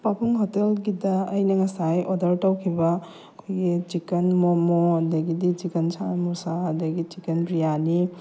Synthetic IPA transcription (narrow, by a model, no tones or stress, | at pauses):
papʰuŋɦɔtelɡidɐːjnɐŋɐsajʔɔdɐɾtɐwkʰibɐ | kʰojɡit͡ʃikɐnmomoɐdɐɡidit͡ʃikɐnsʰamusaɐdɐɡit͡ʃikɐnpɾijani